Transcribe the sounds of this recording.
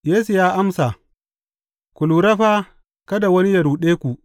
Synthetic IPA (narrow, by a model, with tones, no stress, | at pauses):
jeː˦su˨jaː˦ʔa˦msa˨ | kʷu˨luː˨ɾɐ˦ɸa˦ | kɐ˦da˨wɐ˦ni˦jɐ˨ɾuː˨ɗeː˦kʷu˨ʔ